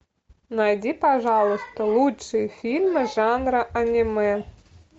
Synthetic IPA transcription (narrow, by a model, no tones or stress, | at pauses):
najdʲipɐʐɑlˠʊst̪əlˠutʂɨjəfʲilʲmɨʐanɾəʔɐnʲimɛ